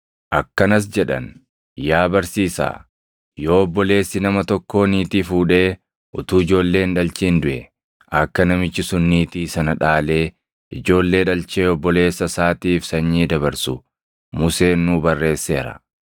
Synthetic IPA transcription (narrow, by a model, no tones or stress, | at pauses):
ʔɐkːɐnɐs̬d͡ʒɛᶑɐ̰n | jaːbɐɾsiːsa̰ː | jo̞ːɔbːɔle̞ːsːɪnɐmɐt̪ɔkːo̞ːniːt̪iːfuːᶑe̞ː | ʔʊt̪uːɪd͡ʒo̞ːlːe̞ːnᶑɐlt͡ʃiːnd̪ʊʔɛ | ʔɐkːɐnɐmɪt͡ʃːɪsʊnːiːt̪iːsɐnɐᶑaːle̞ː | ʔɪd͡ʒo̞ːlːe̞ːᶑɐlt͡ʃe̞ːɔbːɔle̞ːsːɐsaːt̪iːfsɐɲːiːd̪ɐβɐɾsʊ | mʊse̞ːnːʊbɐrːe̞ːsːe̞ːɾɐ̰